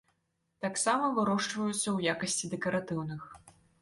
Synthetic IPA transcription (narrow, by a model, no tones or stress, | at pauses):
t̪aksamɐvɨɾɔʂt͡ʂvɐjut̪sːɐwjakɐsʲt͡sʲid̪ɛkɐɾat̪ɨwnɨx